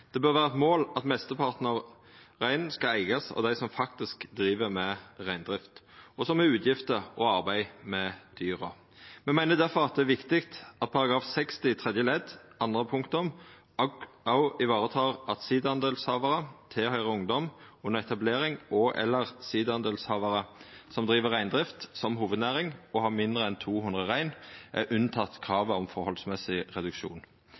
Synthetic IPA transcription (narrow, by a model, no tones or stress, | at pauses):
d̪̥ɛbøːʁʋæːʁɑɛt̪moːlɑt̪mɛst̪əpʰɑʁt̪n̩ɑʋ | ʁæɪnn̩skɑæɪɡɑsɔ̰d̪æɪsɔmfɑkt̪ɪskd̪ɾiːʋəmɛʁæɪnd̪ʁɪft̪ɔsɔmɛʉːt̪ʰjɪft̪əɔɑʁbæɪmɛd̪̥yːʁə | mɛmæɪnəd̪æʁfɔʁɑt̪̚d̪ɛæɾʋɪkt̪ɪkt̪ɑt̪̚pʰɑʁɑɡʁɑːfsɛkst̪ɪt̪ʰʁɛd̪jəlɛd̪ʔɑnd̪ʁəpʰʊŋkt̪ɔm | ɑʊɪʋɑːʁət̪ʰɑːʁɑt̪siːd̪əɑnd̪eːlshɑːʋɑʁət̪ʰehœʏʁəʊŋd̪ɔm | ʉnːəʁɛt̪ɑbleːɾɪŋɔʔɛ̰lːəʁsiːd̪əɑnd̪eːlshɑːʋɑɾəsɔmd̪ʁiːʋəʁæɪnd̪ʁɪft̪sɔmɦuːʋəd̪næːʁɪŋɔhɑːmɪnd̪ʁəɛnt̪ʰuːhʉnʁəʁæɪnʔæ̰ʔʉnːt̪ʰɑt̪ːkʰʁɑːʋəɔmfɔhɔlsmɛsɪʁɛd̪ʉkʃṵːn